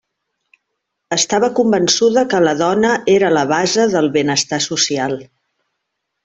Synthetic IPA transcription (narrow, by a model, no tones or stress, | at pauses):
əst̪aβəkumbənsuðəkələðɔnəʔeɾələβ̞azəðəlˠβenəst̪asusialˠ